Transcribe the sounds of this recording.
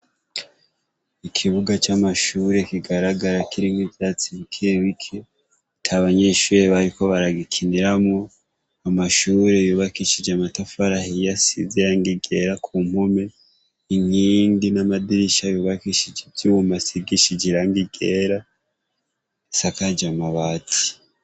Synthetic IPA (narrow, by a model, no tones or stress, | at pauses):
ikʰiβuɡat͡ʃamaʃuːɾe̞kiɡaɾaɡaɾakʰiɾiŋwivjat͡siβikʰeβikʰe | tʰaβaɲe̞ʃuːɾe̞βaɾiko̞βaɾaɡikʰiniɾamŋo | amaʃuːɾe̞juːβakiʃid͡ʒeamatafaɾahijasiziɾaŋɡiɡe̞ːɾakʰum̥home̞ | iŋiːndinamadiɾiʃajuːβakiʃid͡ʒevjumasiɡiʃid͡ʒiɾaŋɡiɡe̞ːɾa | sakad͡ʒamaβaːtʰi̥